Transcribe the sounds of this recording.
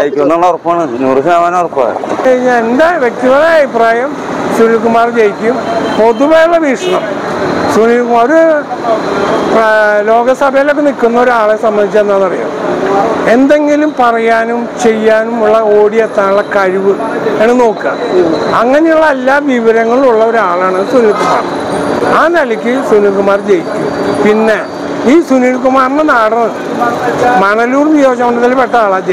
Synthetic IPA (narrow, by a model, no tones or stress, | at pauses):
ajikʲːunːɐlːɐorpːɐaːɳɨnurusaːʋaːnorpːa̰eɲːanend̪aʋek̚t̪iɣɐlaːɐbʱipraːjɐm | sunlik̬ːumaːrt͡ɕejikʲːumpo̞ðuʋejuɭːɐʋiːʂɐɳɐm | sunilkːumoɾu | plo̞ːɡɐsɐbʱɐjalo̞kːenilkʲːunːɐo̞ɾuaːɭesɐmbɐnd̪it͡ɕːenːaːnːɐrḭja̰ːm | e̞nd̪e̞ŋɡilumpɐrɐjaːnumt͡ɕe̞jːaːnumuɭːɐo̞ːɽijet̪ːaːnuɭːɐkɐɻiʋɨ | eɳːɨno̞ːkːɨɣɐmɐŋːɐnejuɭːɐelːaːʋiʋɐɾɐŋːɐɭiuɭːɐo̞ɾaːɭaːɳɨsunilkːumːa̰ːm | aːnɐlɐkʲːɨsuniɭkumaːrd͡ʑejtːupinːe̞ | iːsunilkumaːrɐnːɨnaːɽɐnɨ | mɐɳɐluːrnijo̞ːɡɐmɐɳɖɐðɐlpeʈːɐaːɭad͡ʑe